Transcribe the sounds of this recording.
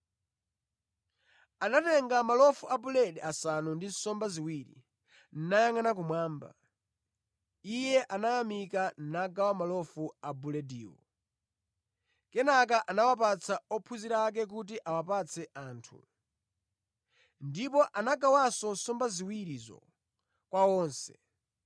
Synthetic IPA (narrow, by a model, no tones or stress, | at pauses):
anatɛŋɡamalɔfuʔabulɛdɛasanundinsɔmbaziwiːɾḭ | n̩najaŋanak̬umwaːmba̰ | ijɛʔanajamikannaɡawamalɔfuabulɛdiːwɔ̰ | kɛnak̬aʔanawap̬at͡sʰaɔpʰuziɾak̬ɛk̬ut̬iʔawapat͡sʰɛʔaːntʰṵ | ndipɔʔanaɡawasɔnsɔmbaziwiɾizɔ̰ | kwawɔːnsɛ̥̰